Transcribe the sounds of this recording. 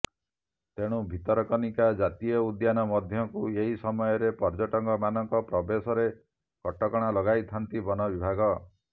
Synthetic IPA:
t̪eɽ̃ubʱit̪ɔɾɔkɔnikad͡ʒat̪ijɔud̪janɔmɔd̪ʱjɔkueɦisɔmɔjɔɾepɔɾd͡ʒɔʈɔŋɡɔmanɔŋkɔpɾɔbesɔɾe | kɔʈɔkɔɽ̃alɔɡajt̪ʰant̪ibɔnɔbibʱaɡɔ

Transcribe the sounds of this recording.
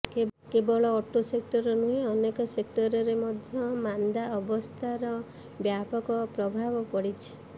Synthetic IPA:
kebɔɭɔːʈusek̚ʈɔɾɔnuɦeɔnekɔsek̚ʈɔɾɔɾemɔd̪ʱjɔmand̪aɔbɔst̪ʰaɾɔ | bjapɔkɔpɾɔbʱabɔpɔɽit͡ʃʰi̥

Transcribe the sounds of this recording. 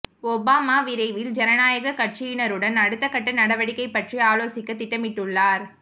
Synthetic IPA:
ɔbaːmaːʋɪɾɐɪʋɪld͡ʒɛɾɐnaːjɐɣɐkɐʈt͡ʃijɪnɐɾɯɽɐnɐɽɯt̪ːɐkːɐʈːɐnɐɽɐʋɐɽɪkːɐɪpːɐʈriaːloːsɪkːɐt̪ːɪʈːɐmɪʈːɯɭːaːɾ

